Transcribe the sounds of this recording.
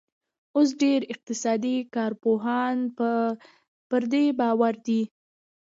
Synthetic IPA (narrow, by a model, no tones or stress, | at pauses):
os̬ɖeɾɪq̚t̪ɪsɑd̪ikɑɾpoɦɑn | pəɾd̪ebɑwaɾd̪i